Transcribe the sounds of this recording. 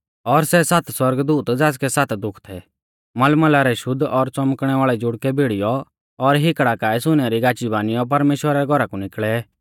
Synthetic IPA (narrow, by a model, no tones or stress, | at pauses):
ɔɾsɛsat̪ʰswɐɾɡd̪uːt̪d͡zaːskɛsat̪d̪ʊkʰt̪ʰɛ | mɐlməlaɾɛʃʊd̪ʱɔɾt͡sɔmkɽ̃ɛʋaːɭɛd͡zʊɽkɛbʱɪɽɪjɔ | ɔɾɦɪkɽakaːisʊñɛɾiɡaːt͡ʃibaːnɪjɔp̬ɐɾmeːʃwəɾaɾɛɡʱɔɾakunɪkɭɛ